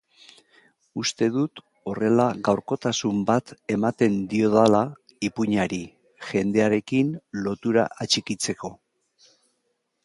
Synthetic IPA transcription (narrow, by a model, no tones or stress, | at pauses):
ust̪e̞ðut̪ | o̞re̞laɣawɾko̞t̪asumbat̪e̞mat̪e̞nd̪io̞ðala | ipuɲaɾi | ʝe̞nd̪e̞aɾe̞kinlo̞t̪uɾa̰ʔat͡ʃikit͡se̞ko̞